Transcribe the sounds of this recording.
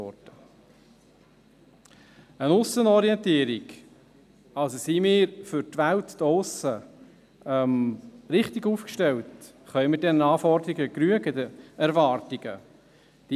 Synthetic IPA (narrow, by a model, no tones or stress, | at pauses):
ɔd̥ə | ənʊsənɔɾiɛntiəɾiɡ | ɑlsosimɪːɾfʏɾtʋæltd̥ɔsə | ɛmɾɪχtɪɡuːfkʃtɛlt | χœʏmɪtdɛnənɑːfɔɾd̪əɾiɡəkɾyəɡədəɛɾvɑːrtiɡ̥ə | d̥i